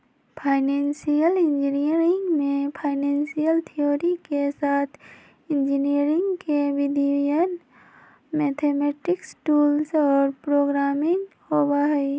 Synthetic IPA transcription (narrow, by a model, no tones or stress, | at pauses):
pʰaːɪnẽːnsijəlɪ̃nd͡ʒinijəɾɪ̃ŋɡmẽpʰaːɪnẽːnsijəlt̪ʰijoːɾikesaːt̪ʰ | ɪ̃nd͡ʒiniəɾɪ̃ŋɡkeʋɪd̪ʱujən | mɛːt̪ʰeːmɛːʈɪksʈuːlsɔːɾpɾoːɡɾaːmɪ̃ŋɡ | hoːbaɦɛi